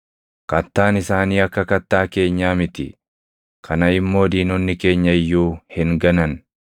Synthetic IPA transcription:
kɐt̪ːaːnɪsaːniːɐkːɐkɐt̪ːaːke̞ːɲːaːmɪt̪ɪ̰ | kʰɐnɐɪmːo̞ːd̪iːnɔnːɪke̞ːɲːɐɪjːuːhɪŋɡɐnɐn

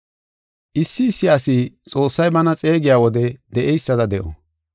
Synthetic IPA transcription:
ʔɪsːɪːsːɪasit͡sʼo̞ːsːɐjbɐnɐt͡sʼe̞ːɡɪjaːwɔd̪ɛd̪ɛʔɛjsːɐd̪ɐd̪ɛʔɔ̰

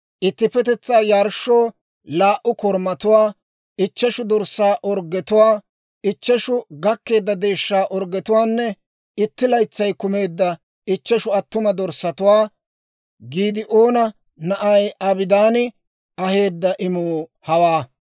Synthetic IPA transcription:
ʔɪt̪ːɪpɛt̪ɛt͡sːaːjaːɾʃːoː | laːʔʊkɔɾmɐt̪ʊwaː | ɪt͡ʃːɛʃʊd̪ɔɾsaːʔɔɾɡɛt̪ʊwaː | ɪt͡ʃːɛʃʊɡɐkːe̞ːd̪ːɐd̪e̞ːʃːaːʔɔɾɡːɛt̪ʊwaːnːɛ | ɪt̪ːɪlɐjt͡sːɐjkʊme̞ːd̪ːɐ | ɪt͡ʃːɛʃʊɐt̪ːʊmɐd̪ɔɾsːɐt̪ʊwaː | ɡiːd̪ɪʔoːnɐ | nɐʔɐjɐbɪd̪aːnɪ | ɐhe̞ːd̪ːɐʔɪmoːhɐwaː

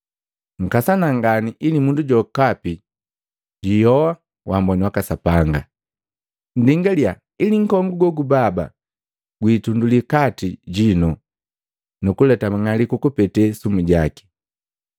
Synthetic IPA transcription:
ŋ̩kasanaŋɡaniʔilimunduɟɔkapi | ɟijɔwa | wambɔniwakasapaŋɡa̰ | n̩diŋɡalia | iliŋ̩kɔŋɡuɡɔɡubaba̰ | ɡwiːtundulikatiɟinɔ | nukulɛtamaŋalikukupɛtɛsumuɟaki̥

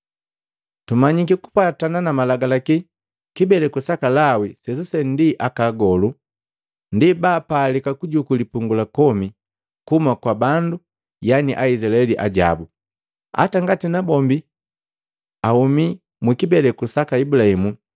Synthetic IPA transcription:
tumaɲik̬iku̥patananamalaɡalaki | kibɛlɛkusakalawisɛs̬usɛndiʔakaɡɔlu | ndibaːpaːlikakuɟukulipuŋɡulakɔmi | kumakwabandu | janiʔaizilaɛliʔa̰ɟa̰bu | a̰taŋɡatinabɔmbi | ahumi | mwikibɛlɛkusakaibulahimu

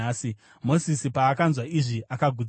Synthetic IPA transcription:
si | mo̞sisipaːkanzwaiʐiakaɡʱud͡z

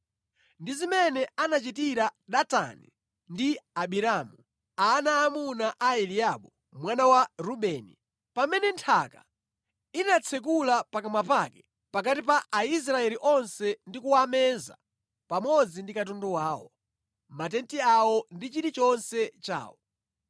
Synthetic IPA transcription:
ndizimɛnɛanat͡ʃitiɾaɗata̰nḭ | ndiaɓiɾaːmu | aːnaːmunaʔaɛliaɓɔ | mwanawaɾuɓɛːnḭ | pamɛnɛntʰaka̰ | inat͡sʰɛk̬ulapakamapakɛ̥ | pak̬atipaʔais̬ɾaɛliʔɔnsɛndikuwamɛnza̰ | pamɔd͡zindikat̬ɔndɔwaːwɔ̰ | matɛntiawɔndit͡ʃiɾit͡ʃɔnsɛt͡ʃa̰ːwɔ

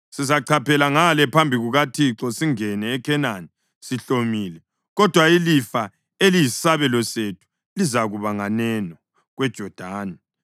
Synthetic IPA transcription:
sizaǀʰapʰɛlaŋalɛpʰambʱiɣuɣatʰiǁɔsiŋɛnɛːkʰɛnani | siɬomiːlɛ | ɣɔd̥ʱwailifa | eliji̥saβɛlɔsetʰu̥ | lizaɣuβaŋanɛnɔ | ɣwɛd̥ʒ̥ʱɔd̥ʱaːna

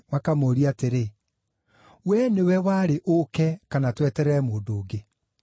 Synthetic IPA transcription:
wakamoɾiateɾe | wɛnewɛwaːɾeʔokɛkanatwɛtɛɾɛmoːndoːɡe

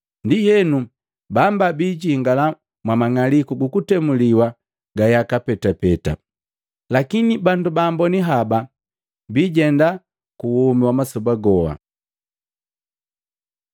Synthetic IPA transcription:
ndijɛnu | bambabiːɟiŋɡala | mwamaŋalikuɡukutɛmuliwa | ɡajakapɛtapɛta̰ | lakinibandubaːmbɔniɦaba | biːɟɛnda | kuwumiwamasɔbaɡɔha̰

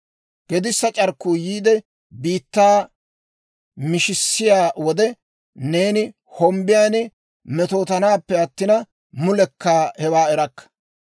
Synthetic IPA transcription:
ɡ̥ɛd̪ɪsːɐt͡ʃʼɐɾkːuːjiːd̪ɛ | biːt̪ːaː | mɪʃɪsːɪjaːwɔd̪ɛ | ne̞ːnɪ | hɔmbɪjaːnɪ | mɛt̪o̞ːt̪ɐnaːpːɛɐt̪ːɪnɐ | mʊlɛkːaːhɛwaːɛɾɐkːɐ̥

